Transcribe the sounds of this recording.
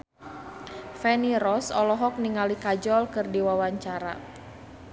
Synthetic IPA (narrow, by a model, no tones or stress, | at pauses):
fɛniɾɔsɔlɔɦɔk̚niŋalikad͡ʒɔlkɨrdiwawaɲt͡ʃaɾa̰